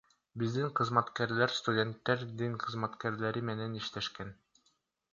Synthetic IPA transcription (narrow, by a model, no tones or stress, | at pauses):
bizd̪iŋqɤ̆zmɑt̪kæɾlæɾst̪udʲe̞nt̪ːæɾd̪iɴqʰɤ̆zmɑt̪kæɾlæɾimenɛniʃt̪eʃkæn